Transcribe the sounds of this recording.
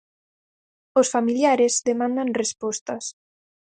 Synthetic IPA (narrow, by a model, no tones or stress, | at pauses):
osfamiljaɾezðemãnd̪anrespɔst̪as